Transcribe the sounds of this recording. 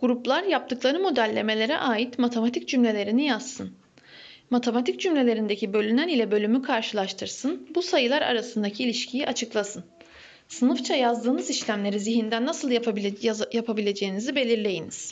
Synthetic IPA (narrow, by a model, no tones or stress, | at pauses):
ɡ̥uɾuplˠaɾjap̚t̪ɯklˠaɾɯmo̞d̪ælʲːe̞me̞lʲe̞ɾɛ̰ʔaːjit̪mat̪ʰe̞mat̪ʰicd͡ʒymlʲe̞lʲe̞ɾinijasːɯn | mat̪ʰe̞mat̪ʰic̚d͡ʒymlʲe̞lʲe̞ɾind̪e̞cʰibølʲynænilʲɛbø̞lʲymykʰaɾʃɯlˠaʃt̪ʰɯɾsɯnbusajɯlˠaɾa̰ɾasɯnd̪acʰiilʲiʃcʰijiʔat͡ʃʰɯklˠasɯn | sɯnɯft͡ʃʰajazd̪ɯːnɯziʃlʲæmlʲe̞ɾiziɦind̪ænːasɯlˠjajapʰabilʲe̞d͡ʒe̞jinizibe̞lʲiɾlʲe̞jiniz̥